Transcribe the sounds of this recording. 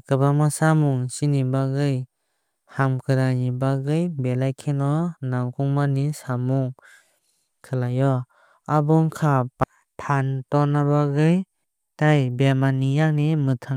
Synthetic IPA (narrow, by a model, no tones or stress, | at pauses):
kɯbamasamuŋsinibaɡɯj | hamkʰɯɾanibaɡɯjbelajkʰenɔnaŋkʰuŋmanisamuŋ | kʰɯlajɔ | abɔŋkʰap | tʰantɔnabaɡɯj | tajbemanijaŋnimɯtʰaŋ